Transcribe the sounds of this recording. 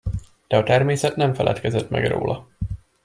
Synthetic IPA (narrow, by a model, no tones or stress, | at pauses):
d̪̥ɛɒt̪ɛrmeːsɛt̪nɛɱfɛlʔɛ̰t̪kɛzɛt̪mɛ̰ɡro̰ːlʔɒ